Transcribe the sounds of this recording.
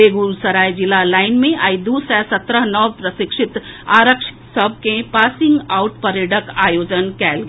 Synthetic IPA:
eːɡuːlsɐɾaːjd͡ʒɪlalaːɪnmẽʔaːɪd̪usɛːsɐt̪ɾəɦnəʋpɾəsɪkʃɪt̪aːɾəkʃɪ̥səb̚ʱkẽpaːsɪ̃ŋɡaːʊʈpɐɾjəɖəkaːjoːd͡ʒənkɛːlɡ

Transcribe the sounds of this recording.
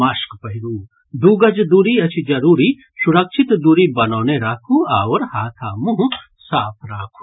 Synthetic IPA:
maːʃkpɐɦiɾuː | d̪uːɡɐd͡ʒd̪uːɾiɐt͡ʃʰid͡ʒɐɾuːɾi | ʃuɾɐkʃʰit̪d̪uːɾibɐnoːneɾaːkʰuaːwɐɾhaːt̪ʰaːmuɦ | saːpʰɾaːkʰu̥

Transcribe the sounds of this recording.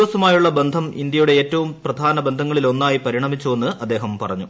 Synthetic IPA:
ʋɐsɐmaːjuɭːɐbe̞nd̪ʱɐmḭnd̪jɐjuɽe̞eːtːɐʋumprɐd̪ʱaːnɐbe̞nd̪ʱɐŋːɐɭilo̞nːaːjipɐɾiɳɐmit͡ɕːuenːɨɐd̪ːe̞ːɦɐmpɐrɐɲːu

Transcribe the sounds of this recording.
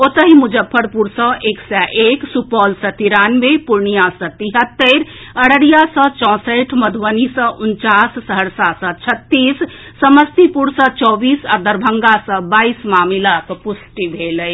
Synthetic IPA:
ot̪əɦimud͡ʒəpʰːəɾpuɾsə̃ʔeːksɛʔeksupɔːlsə̃t̪iɾaːnmepuɾɳijasə̃t̪iɦət̪ːeɾ | əɽəɽijasə̃t͡ʃɔ̃ːsəʈʰməd̪ʱʋənisə̃ʔʊnt͡ʃasːəɦəɽsasə̃t͡ʃʰət̪ːiːsː | əməst̪ipuɾsə̃t͡ʃɔːbiːsəɾd̪əɾbʱəŋɡasə̃baːismaːmilakpusʈibʱeləj

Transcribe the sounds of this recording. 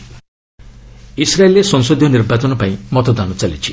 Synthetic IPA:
isɾaeljesɔŋsod̪ʱjonirbat͡sɔnɔpãĩmɔt̪ɔd̪anɔt͡salit͡ʃʰi̥

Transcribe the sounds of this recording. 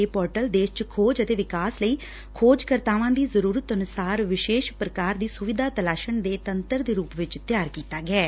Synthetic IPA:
eːpɔːɾʈəld̪eːʃt͡ʃkʰoːd͡ʒət̪eːʋɪkaːsləiː | kʰoːd͡ʒkəɾt̪aːʋãːd̪iːzəɾuːɾət̪ənʊsaːɾʋɪʃeːʃpɾəkaːɾd̪iːsʊʋɪd̪ʱaːt̪əlaːʃəɳd̪eːt̪ənt̪əɾd̪eːɾuːpʋɪt͡ʃt̪jaːɾkiːt̪aːɡɛː

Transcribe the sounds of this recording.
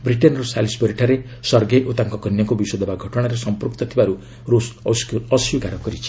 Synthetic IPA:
bɾiʈenɾosalisbɔɾiʈʰaɾe | sʌɾɡeʔot̪aŋkɔkʌnjʌkobiswɔd̪ɔbaɡʱʌʈɔɽ̃aɾesʌmpuɾkt̪ʌt̪ʰibaɾu | ɾossʌsjukaɾɔkʌɾit͡ʃʰi̥

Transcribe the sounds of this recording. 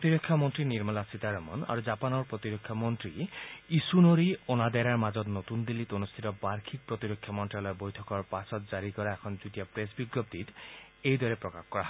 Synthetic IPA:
pɾot̪iɾokʰːjɔmɔnt̪ɾiniɾmɔlasit̪aɾɔmɔ̰na̰ɾud͡ʒapanɔɾpɾɔt̪iɾokʰːjɔmɔnt̪ɾiisunoɾionad̪aɾaɾmad͡ʒɔt̪not̪und̪ilːit̪onust̪ʰit̪ɔbaɾkʰik̚pɾɔt̪iɾokʰːjɔmɔnʈɾalɔebojtʰɔkɔɾpasɔt̪̚d͡ʒaɾikɔɾaekʰɔnd͡ʒut̪ijapɾes̬biɡɾob̚d̪it̪ | ejd̪ʱɔɾepɾɔkakkɔɾaɦ

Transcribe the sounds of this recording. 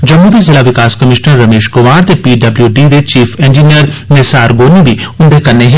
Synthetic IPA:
d͡ʒɐmːuːd̪izɪlaʋɪkaːskɐmɪʃnəɾːɐmeːʃkʊmaːɾt̪epiːɖɐbljuɖiːd̪et͡ʃiːfẽːnd͡ʒinijəɾneːsaːɾɡoːnibʱiʊnd̪ekɐɾneɦɛ̃

